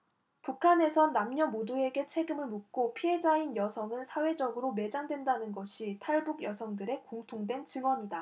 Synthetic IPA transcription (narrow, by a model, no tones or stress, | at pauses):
pukʰane̞sʰʌnːamɲʌmodue̞ɡe̞t͡ɕʰe̞ɡɯmɯɭmuk̚k͈opʰie̞d͡ʑainjʌsʰʌŋɯnsʰawe̞d͡ʑʌɡɯɾome̞d͡ʑaŋdwe̞ndanɯnɡʌɕʰitʰaɭbuɡjʌsʰʌŋdɯɾe̞koŋtʰoŋdwe̞nt͡ɕɯŋwʌɲida